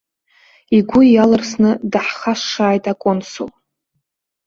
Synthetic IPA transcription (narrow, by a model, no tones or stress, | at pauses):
iɡʷʊalɨrsnɨdaħχaʂːaːjtʼakʷʼonso̰l